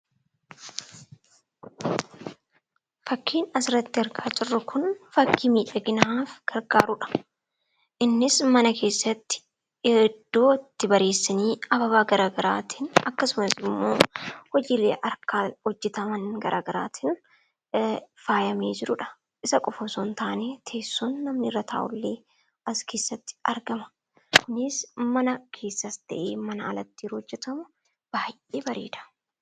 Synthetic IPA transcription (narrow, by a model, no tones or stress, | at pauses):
fɐkʰːiːnɐsɾɐt̪ːɪɐɾkaːd͡ʒɪrːʊkʰʊnfɐkːiːmiːᶑɐɡɪnaːfɡ̥ɐɾɡaːɾʊᶑɐ̥ | ʔɪnːɪsmɐnɐkʰe̞ːsːɐt̪ːɪ̥ | ɛd̪̥ːo̞ːɪt̪ːɪbɐɾe̞ːsːɐniːɐbɐβaːɡɐɾaːɡɐɾaːt̪ʰɪnɐkːɐsʊmɐsɪmːo̞̰ːhɔd͡ʒiːlḛːʔɐɾkaːhɔd͡ʒːɛt̪ɐmɐnɡɐɾʔa̰ːɡɐɾaːt̪ʰɪn | faːjɐmeːd͡ʒɪɾʊᶑɐ̥ | ʔɪsɐkʼɔfɔsoːnt̪aːneːt̪ʰeːsːunːɐmnɪɾɐt̪ʰa̰ːʔʊ̰lːeː | ʔɐske̞ːsːɐt̪ːɪ̥ɐɾɡɐmɐ̥ | kʊnɪsmɐnɐkʰe̞ːsːɐst̪ɐʔeːmɐnɐɐlɐt̪ːiːɾhɔd͡ʒːɛt̪ɐmʊ | b̥aːjʔʔeːbɐɾḛːd̪ɐ̥